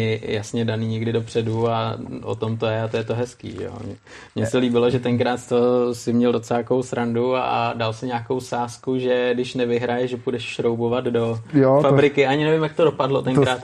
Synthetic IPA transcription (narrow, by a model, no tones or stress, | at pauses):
ɪjasɲɛdaniːɲɛɡdɪdo̞pr̝̥ɛduao̰t̪o̞mt̪ojɛat̪ojɛt̪oɦɛskḭːʒɛ̰jo̰mɲɛ | mɲɛsɛliːbɪlo̞ʒɛt̪ɛŋkɾaːt̪st̪osɪmɲɛldot͡sɛakowsɾandua̰dalsɪɲaːko̞wsaːskuʒɛdɪʃnɛvɪɦɾajɛʒʒɛpudɛʃʃɾowbovat̪dojofabɾɪkɪʔaɲɪnɛvɪmjak̚t̪odo̞padlo̞t̪ɛŋkɾaːt̪